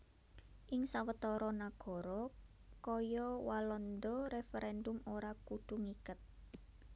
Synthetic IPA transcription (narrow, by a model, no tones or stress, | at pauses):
ʔɪŋsawət̪ɔɾɔnaɡ̥ɔ̤ɾɔ | kɔjɔwalɔnd̪ɔɾefeɾʔɛndʊmoɾakuɖ̪̥ṳŋikət̪̚